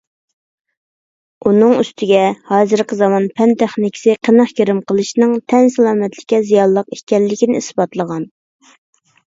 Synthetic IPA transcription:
unɨŋyst̪ʰɪɡʲɛhɑːzɨɾqʰəzɑmɑnpʰɛnt̪ʰæχnɪkʲʰɪ̥sɨqʰənəχkʲeɾɪmqʰəlˠɨʃnɨŋt̪ʰɛnsælˠɑːmɛt̪lɪ̥kʲːɛzijɑlˠːəqekʲɛlːɪkʲinɪisbɑt̪lˠəʁɑn

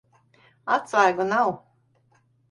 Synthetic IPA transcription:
at̪svajɡunaw

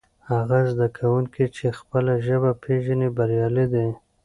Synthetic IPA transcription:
haɣazd̪akʰawuŋkit͡ʃexpəlaʒəbapʰeʒanibaɾjɑlid̪e

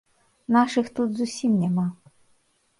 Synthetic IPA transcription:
naʂɨxt̪ut̪zusʲimnʲɛma

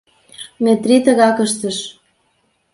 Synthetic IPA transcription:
met̪rit̪ə̆ɣɑkəʃt̪əʃ

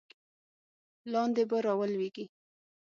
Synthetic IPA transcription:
lɑnd̪ebaɾɑwəlweɡi

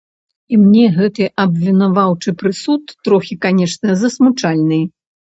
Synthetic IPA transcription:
imnʲɛɣɛt̪ɨʔɐbʲvʲinavawt͡ʂɨpɾɨsut̪ːɾɔxʲikanʲɛʂnɐzɐsmut͡ʂalʲnɨj

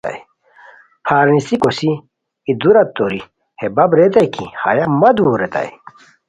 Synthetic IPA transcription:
a̰j | pʰaːɾnisikosi | id̪uɾɐt̪ːoɾi | hebɐbɾet̪ɐjkḭha̰jamɐd̪uːɾet̪a̰j

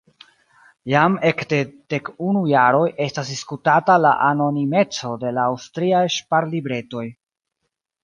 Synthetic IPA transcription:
jame̞kde̞d̥e̞kunujaɾo̞jʔe̞stasdiskutatala̰ʔano̞nime̞t͡so̞de̞laːwstɾiajʃpaɾlibɾe̞to̞j

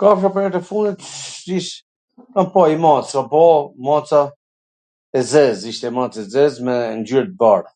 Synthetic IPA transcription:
kafʃ̬apɔɛt̪ɛfund̪it̪iʃ | kanpaimat͡sapɔmat͡sa | ɛzɛziʃt̪ɛmat͡sɛzɛzmɛnd͡ʑyɾt̪̚baɾ

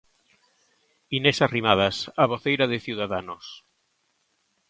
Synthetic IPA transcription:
inesarimað̞asaβoθejɾaðeθiwðaðanos

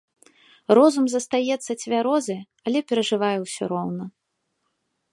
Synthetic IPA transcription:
rɔzumzɐst̪ajɛt̪sːɐt͡sʲvʲaɾɔzɨ | ɐlʲɛpʲɛɾɐʐɨvajɛwsʲɔ̰ɾɔwnɐ

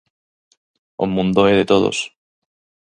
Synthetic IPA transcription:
omũnd̪oeðet̪oð̞o̰s

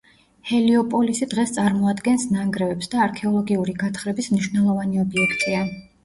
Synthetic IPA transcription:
hɛliɔpʼɔlisid̪̥ʁɛst̪sʼaɾmɔad̪ɡɛnsnaŋɡɾɛvɛpsd̪aːɾkʰɛɔlˠɔɡiuɾiɡat̪ʰχɾɛbismniʃwnɛlˠɔvaniɔbiɛkʰt̪ʼia

